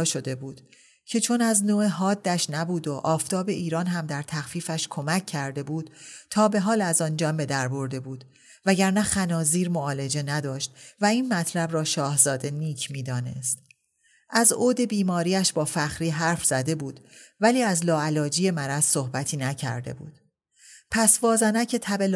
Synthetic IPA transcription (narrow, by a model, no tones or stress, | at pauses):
ʃo̞d̪e̞buːd̪̥ | cʰe̞t͡ʃʰo̞næznoːeɦɒːd̪ːæʃnæbuːd̪o̞ʔɒːft̪ʰɒːbe̞ʔiːɾɒːnɦæmd̪æɾt̪ʰæxfiːfæʃkʰo̞mæcʰːæɾd̪e̞buːd̪̥̚t̪ʰɒːbe̞ɦɒːlæzɒːnd͡ʒɒːmbe̞d̪æɾbo̞ɾd̪e̞buːd̪̥ | væɟæɾnæxænɒːziːɾmoɒːle̞d͡ʒe̞næd̪ɒːʃt̪væiːnmæt̪ʰlæbrɒːʃɒːhzɒːd̪e̞niːcʰmiːd̪ɒːne̞̰st̪ | ʔæzoːd̪e̞biːmɒːɾiːæʃbɒːfæxɾiːɦæɾfz̥æd̪e̞buːd̪̥væliːæzlɒːælɒːd͡ʒiːje̞mæɾæz̥sohbæt̪ʰiːnæcʰæ̰ɾd̪e̞̰bṵːd̪̥ | pʰæsvɒːzænæcʰe̞t̪ʰæbel